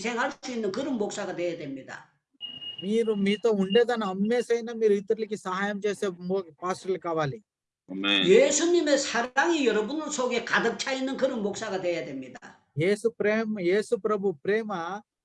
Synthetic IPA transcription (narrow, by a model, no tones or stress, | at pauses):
sʰeŋɦaɭsuinːɯnkɯɾɯmboksaɡat̪ejad̪emːid̪a̰ | miːɾumiːt̪o̞ːuɳɖe̞ːd̪ɐnːɐːmːeːsɐjnaːmiːɾuit̪ɐɾulikisɐɦaːjɐmt͡ʃe̞ːseːmopaːsʈɾɐlkaːʋaːli | jeːsʰuniːmesʰɐɾaŋijʌɾʌbunusʰoɡekad̪ɯp̚t͡ʃʰajinːɯnkɯɾɯmboksaɡat̪ejad̪emːid̪a̰ | jeːsupɾeːmje̞ːsupɾɐbʱupɾeːmɐ